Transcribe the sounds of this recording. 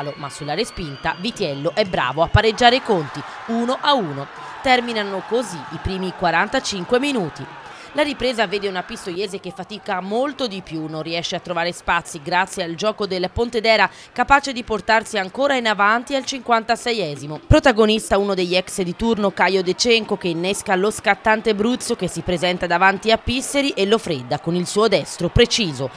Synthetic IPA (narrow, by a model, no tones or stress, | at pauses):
lomasːulːaɾespint̪avit̪jɛlːoʔɛbːɾa̰ːvoapːaɾed͡ʒːaːɾekont̪i | uːnoʔauːno | t̪ɛrminanokoziipɾiːmikwaɾant̪at͡ʃiŋkweminuːt̪i | laɾipɾeːzaveːd̪eunapist̪ojɛːzekefːat̪ikamolt̪od̪ipjunːonrːiɛʃːeat̪ːɾovaːɾespat̪sːiɡɾat̪sːjeald͡ʒɔːkod̪elpont̪ed̪ɛːɾa | kapaːt͡ʃed̪iport̪arsiaŋkoːɾainavant̪ialt͡ʃiŋkwant̪asɛjɛːzimopɾot̪aɡonist̪aunod̪eʎːɛksd̪it̪urnokajod̪et͡ʃɛŋkokeinːeskaloskat̪ːant̪ebɾut̪sok̟esːipɾezɛnt̪ad̪avant̪iapːisːeɾiʔelːofɾed̪ːakonilsuːod̪ɛst̪ɾopɾet͡ʃiːzo